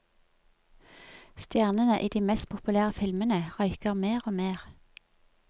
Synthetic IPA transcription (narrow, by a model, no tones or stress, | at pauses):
st̪jæːʁnənəʔiːd̪iːmɛst̪̚pʰʊpʉlæːʁəfɪlmənəʁœʏkəʁmeːʁoːmeːʁ